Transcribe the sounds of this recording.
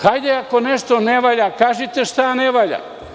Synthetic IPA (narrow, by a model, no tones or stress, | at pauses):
hajd̪eakoneʃt̪oneʋaʎakaːʒit̪eʃt̪aneʋaʎa̰